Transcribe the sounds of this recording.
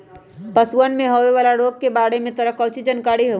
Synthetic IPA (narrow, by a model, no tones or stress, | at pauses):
pɐsuənmẽɦoʋeʋaːlaɾoːɡ̚kebaːɽemẽt̪ɐɾəkəʊt͡ʃʰid͡ʒɐnkaːɽiɦo